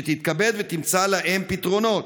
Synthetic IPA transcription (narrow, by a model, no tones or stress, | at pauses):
et̪it̪kabe̞d̪vet̪imt͡salaʔempit̪ʁo̞no̞t̪